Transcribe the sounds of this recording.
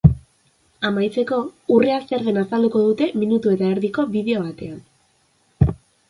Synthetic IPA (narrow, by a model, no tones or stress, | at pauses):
amajt͡se̞ko̞ureast̪eɾðenasald̪uko̞ð̞ut̪e̞minut̪ue̞t̪aeɾðiko̞βiðe̞o̞β̞at̪e̞an